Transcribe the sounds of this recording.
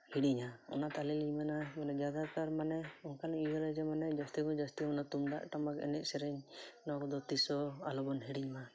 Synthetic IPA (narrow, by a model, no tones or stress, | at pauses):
hiɽiɲaɔ̰nat̪aliliɲmanamanɛd͡ʒad̪at̪aɾmanɛɔnkalɛijɔɾad͡ʒɛmanɛd͡ʒast̪iɡɔd͡ʒast̪iɔnat̪umd̪a̰ʔʈamakɛ̰nɛʔ̚sɛɾɛɲnɔkɔd̪ɔt̪isɔalɔbɔnɦiɽiɲma